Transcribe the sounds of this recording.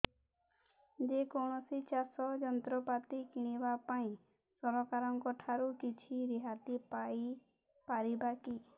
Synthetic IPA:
d͡ʒekɔɳ̃ɔsit͡ʃasɔd͡ʒɔnt̪ɾɔpat̪ikiɽ̃iʋapaĩ | sɔɾɔkaɾɔ̃ŋkɔʈʰaɾukit͡ʃʰiɾiɦat̪ipai | paɾibakiː

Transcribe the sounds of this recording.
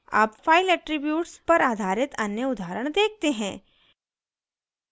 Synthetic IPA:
a̰ːpfaːɪlɛʈɾɪbjuːʈspɐɾaːd̪ʱaːɾɪt̪ɐnjəʊd̪ʱaːɾəɽ̃d̪eːk̚ʰt̪eɦɛ̃ː

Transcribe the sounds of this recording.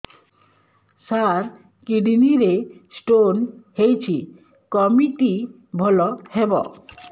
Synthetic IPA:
saɾ | kiɖiniɾesʈonhejt͡ɕʰi | kɔmiʈi | bʱɔlɔhebɔ̰

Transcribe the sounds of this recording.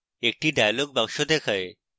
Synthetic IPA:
ek̚ʈiɖajaloɡ̚bɔŋʃod̪ekʰɔe

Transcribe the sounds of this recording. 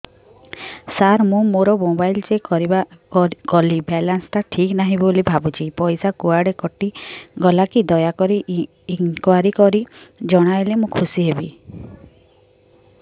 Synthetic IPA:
saɾmũmoɾɔmobajld͡ʒekɔɾibakɔlibɛlanst̪aʈʰiknaɦĩbolibʱabut͡ʃʰipɔjsakuaɽekɔʈiɡɔlakid̪ɔjakɔɾiː | ŋkwaɾikɔɾid͡ʒɔɽ̃ajlemũkʰusiɦebi

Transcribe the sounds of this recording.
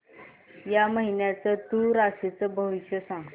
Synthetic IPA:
jaməɦinjat͡sət̪uɾasit͡səbʱəʋiɕjəsã

